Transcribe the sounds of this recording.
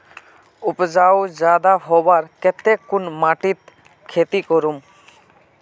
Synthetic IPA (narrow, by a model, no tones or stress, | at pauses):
upd͡ʒawzad̪aɦɔbaɹkɛt̪ekːunmaʈit̪ | kʰet̪ikɔɾum